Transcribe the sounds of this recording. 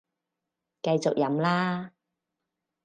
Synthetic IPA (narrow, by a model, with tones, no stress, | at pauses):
kɐ˧jt͡sʊ˨k̚jɐ˨˥mlaː˥